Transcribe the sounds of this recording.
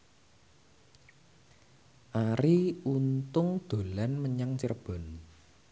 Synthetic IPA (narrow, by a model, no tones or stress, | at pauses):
ʔaɾiunt̪ʊŋd̪̥o̤lanməɲaŋt͡ʃərb̥ɔ̤n